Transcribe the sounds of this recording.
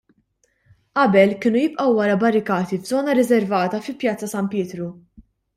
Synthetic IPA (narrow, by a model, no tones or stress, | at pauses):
ʔɐbɛlkɪːnujɪpʼʔɐwːɐɾɐbɐɾɪkɐːt̪ivzɔːnɐɾɪzɛɾvɐːt̪ɐfɪlpjɐt͡sːɐsɐmpjɪːt̪ɾu